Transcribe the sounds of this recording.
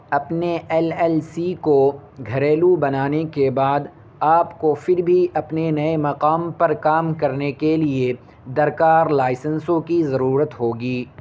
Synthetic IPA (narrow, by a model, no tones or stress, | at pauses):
ɐpneʔɛːlɛlsikoɡʱɐɾeːlubɐnaːnekebaːd̪ | aːpkofɪɾbʱiɐpnenɐemɐqaːmpɐɾkaːmkɐɾnekelie | d̪ɐɾkaːɾlaːɪsə̃nsõkizɐɾuːɾət̪ɦoːɡiː